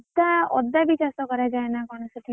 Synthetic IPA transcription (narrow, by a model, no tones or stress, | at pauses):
ɔd̪aɔd̪abit͡ʃasɔkɔɾad͡ʒaenakɔɽ̃ɔsɔʈ̪ʰi